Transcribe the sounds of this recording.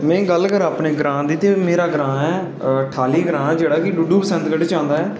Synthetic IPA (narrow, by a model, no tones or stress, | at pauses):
mɛ̃ːɡəlkəɾaːpneːɡɾãːd̪iːt̪eːmeːɾaːɡɾãːɛː | ʈʰaːliːɡɾãːɛːd͡ʒeːɽaːkɪɖuːɖuːpəsə̃nd̪ɡəɖt͡ʃãːnd̪aːɛː